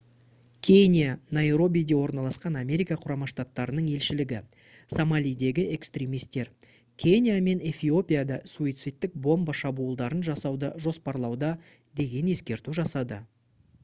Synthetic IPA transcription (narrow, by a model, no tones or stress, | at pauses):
kʲʰe̞nʲijanajɾo̞bʲijd̪e̞wo̞ɾnɑlˠɑsqɑnamʲe̞ɾijkaqʰʊɾɑmɑʃt̪at̪ːɑɾənəɴe̞lʃɪlɪɡʲɪ | samalʲijd̪e̞ɡʲɪe̞kst̪ɾʲemijst̪e̞ɾ | kʲʰe̞nʲijame̞ne̞fʲio̞pʲijad̪ɑsuijt̪sɨt̪ːɪk̚bo̞mbəʃɑbuːlˠd̪ɑɾənʒɑsɑwd̪əʒo̞spɑɾlˠɑwd̪ɑ | d̪e̞ɡʲe̞ne̞skʲe̞ɾt̪uʒɑsɑd̪ə